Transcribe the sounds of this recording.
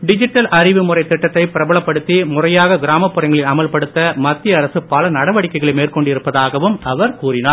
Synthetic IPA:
ɖɪd͡ʒɪʈːɐlɐrɪʋɯmʊrɐɪt̪ːɪʈːɐt̪ːɐɪpɪɾɐbɐɭɐpːɐɽɯt̪ːimʊrɐjaːɣɐɡɪɾaːmɐpːɯrɐŋɡɐɭɪlɐmɐlpɐɽɯt̪ːɐmɐt̪ːɪjɐɐɾɐsɯpːɐlɐnɐɽɐʋɐɽɪkːɐɪɣɐɭɐɪmeːrkɔɳɖɪɾɯpːɐðaːɣɐʋɯmɐʋɐɾkuːrɪnaː

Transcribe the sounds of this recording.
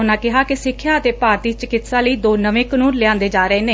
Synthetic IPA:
ʊnãːkɪɦaːkɪsɪkʰːjaːət̪eːpaːɾt̪iːt͡ʃəkɪt̪saːləiːd̪oːnəʋẽːkənuːnlɪãːnd̪eːd͡ʒaːɾəeːneː

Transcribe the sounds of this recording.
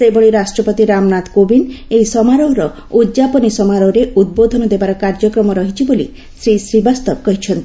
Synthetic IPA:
sebɔɭiɾasʈɾɔpɔt̪iɾamnat̪kobinejsɔmaɾɔɦɾɔ | ud̪d͡ʒapɔnisɔmaɾɔɾeʔud̪̚bod̪ʱɔnɔd̪ebaɾɔkaɾd͡ʒɔkɾɔmɔɾɔɦit͡ʃʰibolḭ | sɾisɾibast̪ɔbkɔɦit͡ʃʰɔnt̪i

